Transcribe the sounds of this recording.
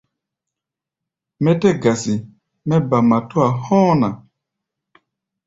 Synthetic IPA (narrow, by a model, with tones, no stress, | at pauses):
mɛ˦tɛ˦ɡa˨si˨ | mɛ˦ba˨ma˨to˦a˨hɔ̃ː˦na˨